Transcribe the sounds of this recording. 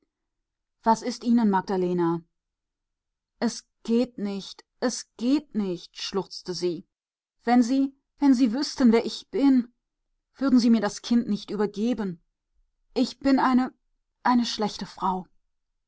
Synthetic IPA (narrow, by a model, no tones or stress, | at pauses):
v̥asɪstʔiːnənmaɡ̚d̥aleːna | ʔɛs | ɡ̥eːtnɪçtʔɛsɡ̥eːtnɪçtʃlʊʁt͡stəziː | v̥ɛnziː | vɛnziːvʏstənveːɐʔɪçb̥ɪn | v̥ʏɐdn̩ziːmiːɐdaskʰɪntnɪçtʔyːbɐɡeːbən | ʔɪçb̥ɪnʔaɪnə | ʔaɪnəʃlɛçtəfʁ̥aʊ